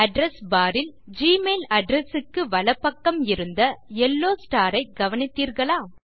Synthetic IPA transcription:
ɐɖɾɛsbaːɾɪld͡ʒiːmeːlɐɖɾɛsɯkːɯʋɐlɐpːɐkːɐmɪɾɯnd̪ɐɛlːoːsʈaːɾɐɪɡɐʋɐnɪt̪ːiːɾɣɐɭaː

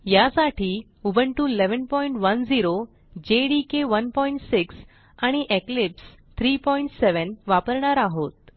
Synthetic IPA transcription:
jasaʈiː | ubəɳʈuleʋənpɔiɳʈʋənd͡ziɾo | d͡ʑeɽikeʋənpɔiɳʈsiks | aɽ̃iʔeklips | t̪ʰɾiːpɔiɳʈseʋənʋapəɾɳaɾaɦot̪̚

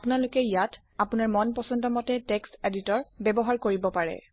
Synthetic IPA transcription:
pʊnalʊkɛijat | apunaɹmɔnpɔsɔndɔmɔtɛtɛkseditɔɹbɛbɔɦaɹkoɹibɔpaɹɛ̰

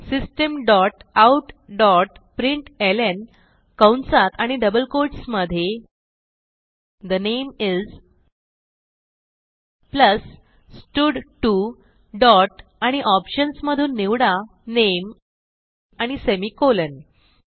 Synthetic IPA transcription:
sisʈəmɖɔʈauʈɖɔʈ̚pɾiɳʈelen | kəwɳsat̪aɽ̃iɖəbəlkoɾʈsməd̪ʱje | d̪ənemid͡z | pləs | sʈuɖʈu | ɖɔʈaɽ̃iʔɔpɕənsməd̪ʱuːnːiʋɽa | nem | aɽ̃isemiːkolən

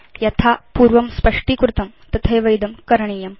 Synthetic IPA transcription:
jɐt̪ʰapuːɾʋɐmspɐʂʈikɾut̪ɐm | t̪ɐt̪ʰɐjʋɐjd̪ɐmkɐɾɳ̃ijɐm

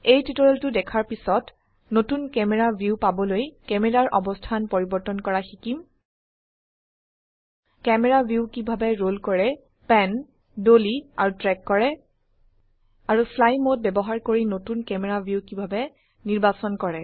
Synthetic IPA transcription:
ejtitɔɹɔltʊdɛkʰaɹpisɔt | notunkɛmɛɹabʱjupabɔlojkɛmɛɹaɹʔɔbɔstʰanpoɹibɔɹtɔnkɔɹaxikim | kɛmɛɹabʱjukibʱabɛɹolkɔɹɛ | pɛn | doliaɹutɹɛkːɔɹɛ | aɹuflajmot̚bɛbɔɦaɹkoɹinotunkɛmɛɹabʱjukibʱabɛ | niɹbasɔnkɔɹɛ

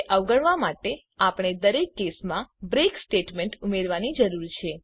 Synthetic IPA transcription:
ʔəʋɡəɳʋamaʈe | apɳ̃ed̪əɾekːesmãbɾeksʈeʈmeɳʈumeɾʋanid͡ʒəɾuɾt͡ʃʰe

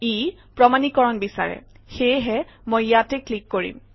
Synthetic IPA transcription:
i | pɹɔmanikɔɹɔnbisa̰ɹɛ̰ | xejɦɛ | mojjatɛklikːoɹḭm

